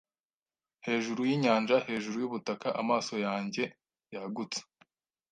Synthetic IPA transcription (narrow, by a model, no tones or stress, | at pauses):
he̞ːʒuɾujiɲaːnʒahe̞ːʒuɾujuβutakaʔamaːso̞jaːɲɟe̞ | jaɡut͡se̥